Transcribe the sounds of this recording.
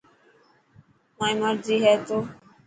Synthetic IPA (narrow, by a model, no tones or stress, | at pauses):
maːĩːməɾziːɦɛːt̪oː